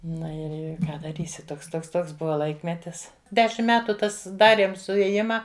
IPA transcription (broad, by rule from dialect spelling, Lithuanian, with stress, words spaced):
ˈnʊ ɪr ˈɪr ˈkɑː dɐˈrʲiːsʲɪ ˈtoːks ˈtoːks ˈtoːks ˈbʊʋɐ ˈlˠɐɪkmʲɛtʲɪs ˈdʲæːʃʲɪm ˈmʲæːtʊ ˈtɐs ˈdɑːrʲiɛm sʊeːˈjɪmɐ